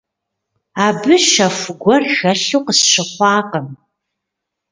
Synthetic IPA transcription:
aːbɨʃɐfɡʷɔrxɐɬuːqəsʃɪχʷɑːqəm

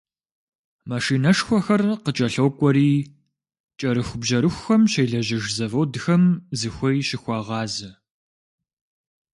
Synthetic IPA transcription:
maʂiːnɐʂxʷɔxɐrqət͡ʃʼɐɬɐwkʷʼɔɾiː | t͡ʃʼɐɾɨxʷʊbʑɐɾɨxʷxɐmɕeːjɮɐʑɐʒzɐvɐwdɨxɐmzɨxʷɐjɕɪxʷɑːʁɑːzɐ

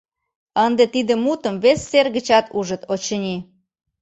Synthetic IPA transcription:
ənd̪et̪id̪ĕmut̪əmβesːerɣət͡ɕɑt̪ʰuʒə̆t̪ot͡ɕə̆nʲi

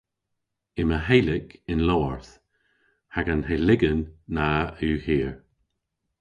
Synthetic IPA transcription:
ɪməɦelɪkɪnlɔɔɹθ | haɡanɦelɪɡənːaʉːhiːəɹ

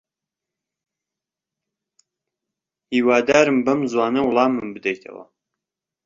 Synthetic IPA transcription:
hiːwaːd̪aːɾɨmbɐmzwaːnɐwlˠɑːmɨmbɨd̪ɐjt̪ʰɐ̰wɐ̰

